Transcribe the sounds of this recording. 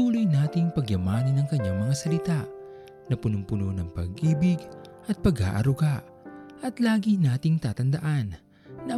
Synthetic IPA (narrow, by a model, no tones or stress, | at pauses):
uːlojnaːt̪ɪŋpɐɡjɐmaːnɐnɐŋkɐɲːaŋmɐŋasɐlɪt̪aʔ | nɐpʊnʊmpʊnonɐŋpɐ̰ɡʔiːbɪɡʔɐt̪̚pɐɡha̰ːʔɐ̰ɾʊɡaʔ | ʔɐt̪laːɡinaːt̪ɪŋt̪aːt̪ɐnd̪ɐʔanː | ɐʔ